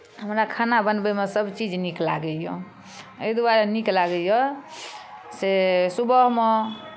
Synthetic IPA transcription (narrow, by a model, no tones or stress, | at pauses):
ɦəmɾakʰanabənbemesəbt͡ʃid͡ʒnikla̰ɡəjɔ | ed̪aɾeniklaɡəjɔ | sesubəɦme